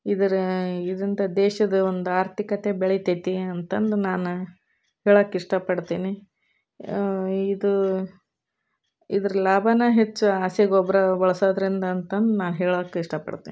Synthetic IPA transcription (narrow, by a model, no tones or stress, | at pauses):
id̪ɐɾid̪ɾind̪ɐd̪ɛːʃɐd̪ɐond̪uaːɾt̪ʰikɐt̪e̞beɭit̪et̪iɐnt̪ɐnd̪unaːnu | heːɭɐːkːiʂʈɐpɐɽt̪iːni | id̪u | id̪ɐɾɐlaːbʱɐnɐɦet͡ʃːuaːsjɐɡɔbːɐɾɐbɐɭɐsoːd̪ɐɾind̪ɐːnt̪ɐnd̪unaːnɦeːɭɐːkːeiʂʈɐpɐ̰ɽt̪ḭːni